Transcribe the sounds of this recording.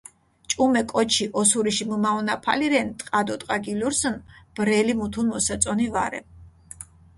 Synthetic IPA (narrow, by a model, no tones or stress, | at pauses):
t͡ʃʼumɛkʼɔt͡ʃʰiʔɔsuɾiʃimumaɔnapʰa̰liɾɛnt̪ʼqʼad̪ɔt̪ʼqʼaɡiluɾsɔnb̥ɾɛlimut̪ʰunmɔsat̪sʼɔnivaɾɛ̰